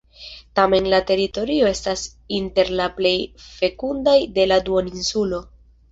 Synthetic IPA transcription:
tame̞nlate̞ɾito̞ɾio̞e̞stas | inte̞ɾlaple̞jfe̞kundajde̞laduoninsulo̞

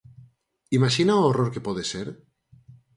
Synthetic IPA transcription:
imaʃinaooroɾkepoðeseɾ

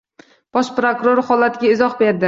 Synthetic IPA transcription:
b̥ɒʃpɾokʊɾoɾhɒlat̪ʰɪɡʲaɪzɒχbe̞ɾd̪ɪ

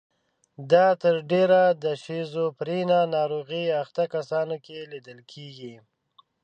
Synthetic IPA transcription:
d̪ɑt̪əɾɖeɾad̪əʃezopɾinanɑɾoɣiaxt̪akasɑnokelid̪əlkʰeɡi

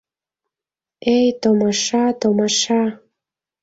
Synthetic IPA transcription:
ejt̪omɑʃɑt̪omɑʃɑ

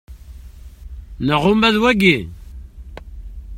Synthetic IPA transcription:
nəʁʊmæðwæɡi

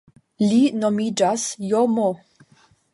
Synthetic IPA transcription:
linomid͡ʒasjomo

